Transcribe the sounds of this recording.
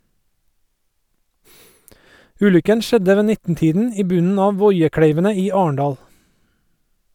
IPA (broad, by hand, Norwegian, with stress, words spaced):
ˈʉːlʏkən ˈʃɛdə ˈʋeː ˈnɪtn̩ˌtiːdn̩ ˈiː ˈbʉnn̩ ˈɑː ˈʋɔʏəˌkɽeɪʋənə ˈiː ˈɑːəɳˌdɑːl